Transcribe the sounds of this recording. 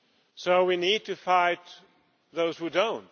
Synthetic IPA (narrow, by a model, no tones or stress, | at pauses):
soʊwinid̚tʰɨfaɪt̪̚ | ðoʊz̥hudõʊ̃nt